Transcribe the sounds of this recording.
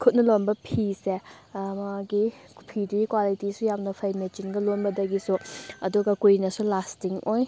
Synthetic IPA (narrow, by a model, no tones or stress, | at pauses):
kʰut̚nɐlonbɐpʰise | maɡipʰiduɡikwalitisujamnɐpʰɐjmet͡ʃinɡɐlonbɐdɐɡisuɐduɡɐkujinɐsulastiŋʔoj